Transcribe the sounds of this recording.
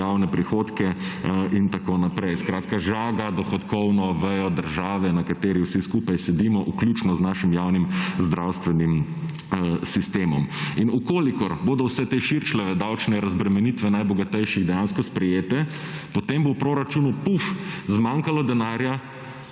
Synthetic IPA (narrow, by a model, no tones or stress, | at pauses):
awnɛpɾixoːt̪kɛʔint̪akoːnapɾɛjskɾaːt̪kaʒaːɡad̪ɔxɔt̪kɔwnɔʋɛjɔd̪əɾʒaːʋɛnakat̪eːɾiwsiskuːpajsɛd̪imɔʔuklʲuːt͡ʃnɔznaːʃimjawnimzd̪ɾawst̪ʋɛnim | sist̪eːmɔ̰minukoːlikɔɾboːd̪ɔwsɛt̪eʃiɾt͡ʃlɛʋɛd̪awt͡ʃnɛɾɐzbɾɛmɛnit̪ʋɛnajbɔɡat̪ɛjʃiɣd̪ɛjaːnskɔspɾɛjeːt̪ɛpɔt̪embowpɾoːɾat͡ʃunupufzmaːŋkalɔd̪ɛnaːɾja